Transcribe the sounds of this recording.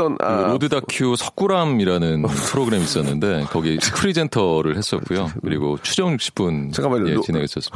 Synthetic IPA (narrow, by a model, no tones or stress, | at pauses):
ɾodɯdakʰjusʰʌk͈uɾamiɾanɯnpʰɯɾoɡɯɾe̞miːs͈ʌnːɯnde̞kʌɡisʰɯ̥kʰɯɾid͡ʑe̞ntʰʌɾɯɭhe̞s͈ʌt̚k͈ujokɯɾiɡot͡ɕʰud͡ʑʌŋjukɕ͈ʰi̥p͈unkjet͡ɕineɡes͈ʌs͈ɯm